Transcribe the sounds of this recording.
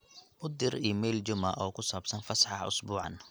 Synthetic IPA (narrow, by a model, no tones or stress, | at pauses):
mʊd̪ɪriːmɛjlt͡ʃʊmɐ̰ʔɔːkʰʊsaːbsɐnfɐsħɑʊ̰sbuːʕɑ̰n